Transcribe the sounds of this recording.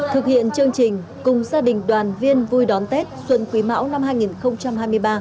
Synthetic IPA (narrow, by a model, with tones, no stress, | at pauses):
t̪ʰɨ˨˩k̚hḭ˧˨ənt͡ɕɨ˧əŋt͡ɕï˨˩ŋ̟ | kʊ˨˩ŋ͡mzaː˧ɗï˨˩ŋ̟ɗwaː˨˩nvi˧ənvu˧jɗɔ˨˦nt̪e˦˥t̚swə˧˨nkwi˨˦ma̰ː˧˥wna˧mɦaː˧jŋi˨˩nxə˧wŋ͡mt͡ɕa˧mhaː˧jmɨ˧əjɓaː˧